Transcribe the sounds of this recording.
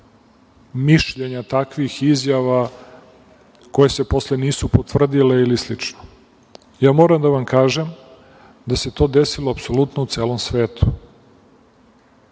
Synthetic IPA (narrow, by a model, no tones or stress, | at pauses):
miʃʎe̞ɲat̪akʋixizjaʋa | ko̞je̞se̞po̞sleniːsupot̪ʋvr̩d̪ile̞ilislit͡ʂno | jaːmo̞ːɾamd̪aʋamkaːʒem | d̪ase̞t̪o̞ːd̪esiloapso̞lut̪nout̪seːlo̞msʋeːt̪ʰu̥